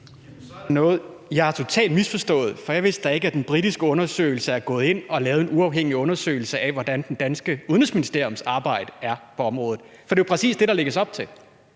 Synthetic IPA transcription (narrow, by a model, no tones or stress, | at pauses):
nɔ̽ːð̩ˠ | jɑ̈æɐt͡sʰo̝t͡sʰɛ̰ːld̥misfɒ̽sd̥ɔ̰̽ːð̩ˠfɒ̽jɑɪʋe̝̰sd̥̚d̥ɑ̈e̝ɡ̥æd̥enb̥ʁid̥isɡ̥əɔ̽nɐsø̰ːɪl̩səæɐɡ̥ɔ̽ːð̞̩ˠe̝n̰ɒ̽lɛːʊð̞̩ˠe̝nuɑ̈ʊɦeŋ̰iɔ̽nɐsø̰ːɪl̩səʔæʋɒd̥ænd̥end̥ænsɡ̥əuðˠnəsminisd̥e̝ɐ̰jɔ̽msɑ̈ːb̥ɑ̈ɪ̰d̥əæɐpʰɒ̽ɒ̽mʁɔ̽ːð̩ˠ | fɒ̽d̥e̝jpʰʁɛsḭːsd̥e̝ɾ̥ɑ̈leɡ̥əsɒ̽b̥̚t͡sʰe̝l